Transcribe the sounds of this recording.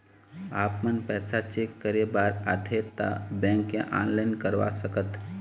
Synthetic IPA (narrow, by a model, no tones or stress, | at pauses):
aːpmənpɛːsat͡ʃekːəɾebaːɾa̰d̪ʱet̪a̰bɛ̃ŋkjã̰ʔãːnlaɪnkəɾʋa̰səkət̪